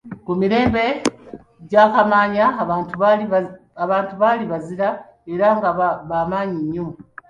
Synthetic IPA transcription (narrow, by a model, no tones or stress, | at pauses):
kumiɾe̞ːmbe̞ | ɟaːkamaːɲau | aβaːntuβaliβaziɾa | e̞ɾaŋɡaβaːmaːɲiɲːumu